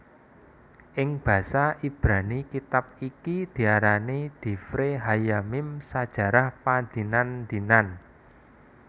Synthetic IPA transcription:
ʔɪŋb̥ä̤saʔib̥ɾa̤nikit̪ap̚ikid̪̥i̤aɾanid̪̥i̤fɾeɦajamɪmsad̥ʒ̥ä̤ɾahpad̪̥i̤nand̪̥i̤nan

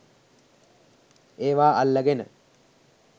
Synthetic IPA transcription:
eːʋaːʔalːəɡenə̰

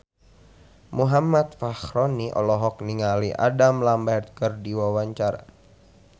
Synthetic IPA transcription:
muɦamat̪̚faxɾɔniʔɔ̰lɔɦɔk̚niŋaliʔa̰damlambɛrt̪̚kɨrdiwawaɲt͡ʃaɾa̰

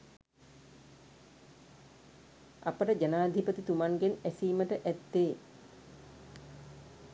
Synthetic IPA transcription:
ʔapəʈəd͡ʒanaːd̪ʱipət̪it̪umaŋɡenæsiːməʈəʔæt̪ːeː

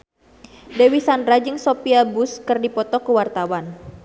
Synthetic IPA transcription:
dewisandɾad͡ʒɨŋsopiabʊskɨrdipɔt̪ɔkəwart̪awan

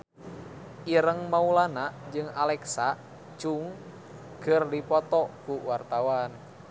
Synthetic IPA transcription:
ʔiɾəŋmaulanad͡ʒɨŋalɛksa | t͡ʃuŋ | kərdipɔt̪ɔkuwart̪awan

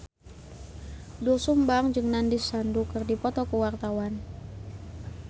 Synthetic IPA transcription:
dusumbaŋd͡ʒɨŋnandisandukɨrdipɔt̪ɔkuwart̪awan

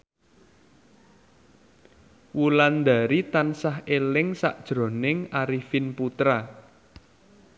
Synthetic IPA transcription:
wuland̪a̤ɾit̪ansaɦelɪŋsa̰ʔd̥ʒ̥ɾo̤nɪŋaɾifɪnput̪ɾa

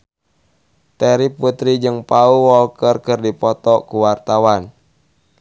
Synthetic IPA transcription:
t̪ɛɾiput̪ɾid͡ʒɨŋpauwɔlkərkərdipɔt̪ɔkuwart̪awan

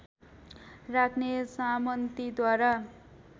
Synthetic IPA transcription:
rakʰnesamʌnt̪id̪waɾa

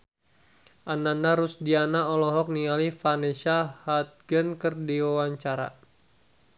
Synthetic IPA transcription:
ʔanandaɾusdianaɔlɔɦɔk̚nialifanesahat̪̚ɡənkərdiwawaɲt͡ʃaɾa̰

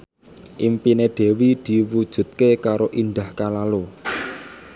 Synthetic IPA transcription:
ʔimpineɖ̪̥e̤wid̪̥i̤wud̥ʒ̥ṳt̪̚kekaɾoʔind̪ahkalalo

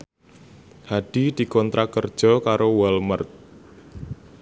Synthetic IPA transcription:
haɖ̥i̤d̪̥i̤kɔnt̪ɾʔakərd̥ʒ̥ɔ̤kaɾowɔlmərt̪̚

